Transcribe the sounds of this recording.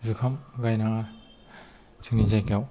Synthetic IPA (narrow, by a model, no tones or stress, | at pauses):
zɯkʰamɡajnaŋa | t͡ʃʰɯŋizajkaw